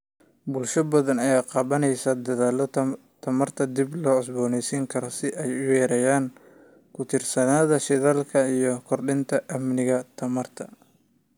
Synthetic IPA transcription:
bʊlʃɐbɐðɐnɐjaːqɑːβɐnɛjsɐd̪ɐðaːlɔ | t̪ʰɐmɐrt̪ʰɐd̪iblɔːʕɪs̬bɔːnɛjsiŋkʰɐɾɔsɪʔɛjʊwɛːɾɛjaːŋ | kʰʊt̪ʰɪrsɐnaːðɐʃɪðaːlkʰɐijɞkʰɔrɖɪnt̪ʰɐʔɐmnɪɣɐt̪ʰɐmɐrt̪ʰɐ

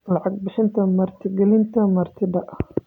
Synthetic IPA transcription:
lɑʕɑɡ̚bɪʃɪnt̪ʰɐmɐɾt̪ʰɪɡɛlɪnt̪ʰɐmɐɾt̪ʰɪd̪ɐʔ

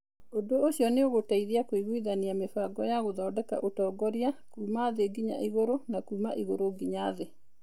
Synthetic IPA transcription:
odoːɕiɔneoɣotaiðiakoiɣwiðaniamefaɡɔjaɣoðɔːdɛka̰ʔotɔːɡɔɾiakuːmaðeɡiɲa̰ʔiɣoɾonakuːma̰ʔiɣoɾoɡiɲaðe

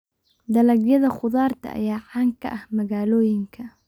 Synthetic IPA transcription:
d̪ɐlɐɡjɐðɐχʊðaːrt̪ʰɐ̰ʔɐ̰jaːʕaːŋkʰɐ̰ʔɐhmɐɣaːlɔːjɪŋkʰɐ

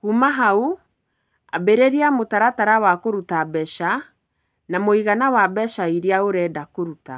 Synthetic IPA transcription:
kumaɦau | a̰beɾeɾiamotaɾataɾawakoɾutabɛʃa | namoiɣanawabɛʃaiɾiaoɾɛːdakoɾuta

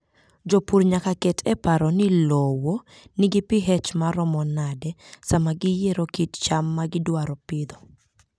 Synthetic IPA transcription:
d͡ʒopuɾɲakakɛtʰɛpaɾɔnɪlowo | nɪɡɪpiɦɛt͡ʃmaɾɔmɔnadɛsamaɡɪjeɾokitt͡ʃamːaɡɪdwaɾɔpɪd̪ɔ

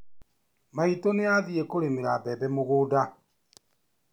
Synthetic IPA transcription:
maitoneaðiekoɾemeɾabɛbɛmuɣuda

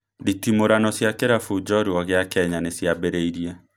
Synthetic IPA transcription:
ditimoɾanɔsjakeɾafud͡ʒɔɾiɔɣeakɛɲanesjabɛɾeiɾia

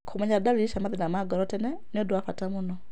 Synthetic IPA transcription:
kʰomaɲadaliiʃamaðinamaɡɔɾɔtɛnɛ | niɔduafatamunɔ

